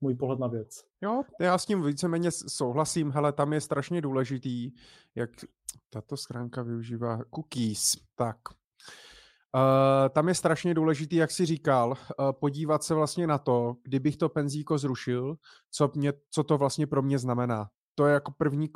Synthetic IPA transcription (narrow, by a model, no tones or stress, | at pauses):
muːjpoɦlɛt̪navjɛt͡s | jojaːscimviːt͡sɛmɛːɲɛso̞wɦlasimɦɛlɛt̪amjɛst̪ɾaʃɲɛduːlɛʒɪt̪iː | jak | t̪at̪o̞sxɾaːŋkavɪuʒiːvaːkukiːst̪ak | t̪amjɛst̪ɾaʃɲɛduːlɛʒɪt̪iːjaksɪriːkalpo̞ɟiːvat̪sɛvlast̪ɲɛnat̪o̞ɡ̥dɪbɪxt̪o̞pɛnziːko̞zɾuʃɪl | t͡somɲɛt͡so̞t̪o̞vlast̪ɲɛpɾo̞mɲɛznamɛnaː | t̪ojɛjakopr̩vɲiː